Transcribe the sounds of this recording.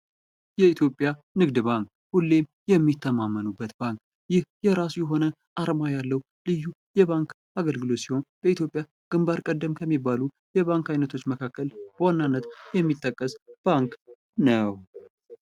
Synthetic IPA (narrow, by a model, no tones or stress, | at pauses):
jɛit̪ʰjo̞pʼja | nɨɡd̪baŋk | hulːe̞m | jɛmːit̪ʰːəmamːənubːət̪baŋk | jɪhjɛɾasujɛɦo̞nə | ʔaɾmajalːəw | lɨjːujɛβaŋk | aɡəlɡɨlo̞t̪siho̞nb̥əit̪ʰjo̞pʼːja | ɡ̥ɨmbaɾkʼəd̪ːəmkʰəmːibalu | jɛβaŋkajnət̪ʰo̞t͡ʃːməkʰakʰːəlb̥əwanːanːət̪jɛmːit̪ʼːəkʼːəsb̥aŋk | nəw